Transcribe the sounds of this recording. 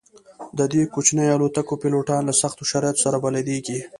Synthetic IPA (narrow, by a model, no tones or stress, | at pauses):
d̪əd̪ekot͡ʃnəjalot̪akopeloʈɑnlasaxt̪oʃaɾɑjat̪o̥saɾabalad̪eɡi